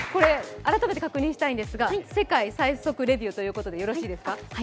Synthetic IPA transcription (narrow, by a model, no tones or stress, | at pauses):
ko̞ɾe̞aɾat̪ame̞t̪ekakɯ̟ɲ̟ĩɕi̥t̪aĩnd̪e̞sɨɡase̞kaisaiso̞kɯ̟ɾe̞bʲiot̪o̞jɯ̟ːko̞t̪o̞d̪e̞jo̞ɾo̞ɕiːd̪e̞sɨ̥ka